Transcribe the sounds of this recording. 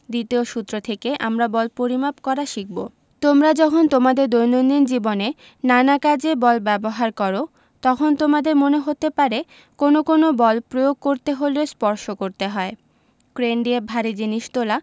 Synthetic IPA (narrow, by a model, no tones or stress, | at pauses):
d̪it̪eoʃut̪ːɾot̪ʰekeʔamɾabɔlpoɾimapkɔɾaʃik̚bo̰ | t̪omɾad͡ʑɔkʰont̪omad̪eɾd̪ojnonind͡ʑibone | nanakad͡ʑebɔlbɛboɦaɾkɔɾo | t̪ɔkʰont̪omad̪eɾmoneɦot̪epaɾe | konokonobɔlpɾojoɡ̚koɾt̪eɦoleospɔɾʃokoɾt̪eɦɔe | kɾenɖiebʱaɾid͡ʑiniʃt̪ola